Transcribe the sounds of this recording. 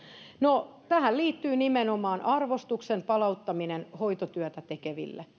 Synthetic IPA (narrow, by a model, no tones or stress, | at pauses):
not̪æhælliːt̪ːyːnimenomɑːnʔɑrʋost̪uksempɑlɑut̪ːɑminenhoit̪ot̪yœt̪æt̪ekeʋḭlːḛ